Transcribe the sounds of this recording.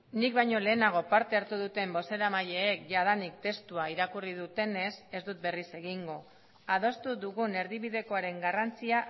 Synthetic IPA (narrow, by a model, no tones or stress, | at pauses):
nik̚bajɲo̞le̞ːnaɣ̞o̞paɾt̪e̞aɾt̪uð̞ut̪e̞mbo̞se̞ɾamaje̞ːkʝaðanik̚t̪e̞st̪uaiɾakuriðut̪e̞ne̞se̞zd̪ut̪̚be̞rise̞ɣiŋɡo̞ | að̞o̞st̪uðuɣune̞ɾðiβ̞iðe̞ko̞aɾe̞ŋɡarant͡sia